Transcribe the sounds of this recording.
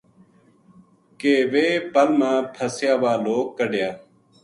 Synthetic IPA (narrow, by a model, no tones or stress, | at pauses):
keːʋeːpəlmãːpʰəsjaːʋaːloːkːəɖjaː